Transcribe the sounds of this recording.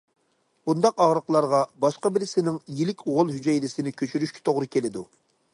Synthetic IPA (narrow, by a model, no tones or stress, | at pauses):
b̥und̪ɑqɑʁɾəqlˠɑɾʁɑbɑʃqɑbɪɾɪsɪnɪŋjilɪkʲoʁʊlˠɦyd͡ʒɛjlɪsɪnɪkʲʰøt͡ʃʰyɾyʃkʲʰi̥t̪ʰoʁɾɨkʲʰelɪd̪u